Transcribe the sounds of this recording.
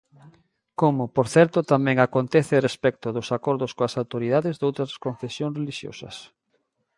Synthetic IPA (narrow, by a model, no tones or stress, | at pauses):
komʊpoɾθɛɾt̪ʊt̪amɛ̃ŋakont̪ɛθɪrespɛk̚t̪ʊðʊsakɔɾðʊskoasawt̪oɾiðaðɪzðowt̪ɾɐskõnθesjõŋsreliʃjo̰sɐ̰s